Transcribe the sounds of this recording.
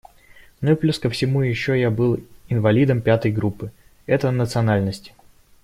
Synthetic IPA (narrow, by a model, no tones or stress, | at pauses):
noiplʲuskəfsʲɪmujɪɕːojabɨlˠɪnvɐlʲid̪əmpʲat̪əjɡɾupːɨ | ɛt̪ənət̪sɨɐnalʲnəsʲtʲɪ